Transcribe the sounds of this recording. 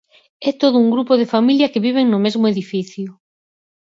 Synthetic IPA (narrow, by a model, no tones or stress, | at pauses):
ɛt̪oðʊuŋɡɾupoðefamiljɐkeβiβ̞eŋnʊmezmʊeðifiθjʊ